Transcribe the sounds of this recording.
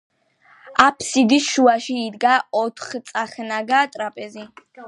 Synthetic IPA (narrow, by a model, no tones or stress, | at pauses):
apʰsid̪isʃuaʃiːd̪ɡaɔt̪ʰχt̪sʼaχnaɡat̪ʼɾapʼɛzi